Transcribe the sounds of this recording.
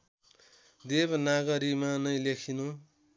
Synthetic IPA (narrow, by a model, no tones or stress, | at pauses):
d̪ebnaɡʌɾimanʌjlekʰinu